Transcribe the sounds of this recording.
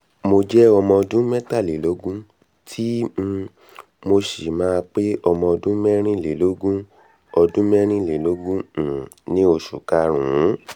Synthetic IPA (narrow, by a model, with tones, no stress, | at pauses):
mo˧d͡ʒɛ˦ɔ˧mɔ̃˧ɔ˧dũ˦mɛ˦ta˦˨le˨lo˨˦ɡũ˦ | tʰi˦ | mo˧ʃe˨mãː˦˧k͡pe˦ɔ˧mɔ̃˧ɔ˧dũ˦mɛ˦ɾ̃ĩ˦˨le˨lo˨˦ɡũ˦ | ɔ˧dũ˦mɛ˦ɾ̃ĩ˦˨le˨lo˨˦ɡũ˦˨ | nĩ˦o˧ʃṵ˨ka˦ɾ̃ũ˨˦